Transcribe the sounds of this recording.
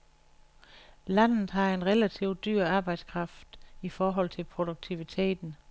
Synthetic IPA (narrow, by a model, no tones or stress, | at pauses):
læn̰ð̩ˠɦɑ̈e̝nʁelæt͡sʰiʊd̥yɐ̰ɑ̈ːb̥ɑ̈ɪd̥skʰʁɑ̈fd̥ifɒːɦɒ̽l̰t͡sʰe̝lpʰʁo̝d̥uɡ̥̚t͡sʰiʋit͡sʰe̝̰ːd̥n̩